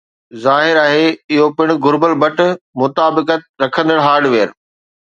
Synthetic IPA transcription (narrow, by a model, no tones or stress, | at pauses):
zaːɦɪɾaːɦeɪɦopɪɽ̃ʊ̆ɡʊɾbəlbɐʈ̆ʰmʊt̪aːbɪkət̪̚ɾɐkʰə̃nd̪əɽɦaːɾɖʋeːɾ